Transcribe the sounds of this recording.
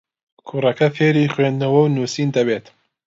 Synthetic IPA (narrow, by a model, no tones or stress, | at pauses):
kʰurɐkɐfeːɾiːxweːnd̪nɐwɐwnuːsiːnd̪ɐbeːt̪